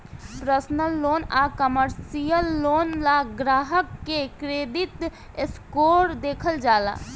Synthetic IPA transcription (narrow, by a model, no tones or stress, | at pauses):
pɾəsnəlːoːnakəməɾsijəlːoːnlaɡɾaːɦəkːekɾeːd̪ɪt̪ | skoːɾd̪eːkʰəld͡ʒaːla̰ː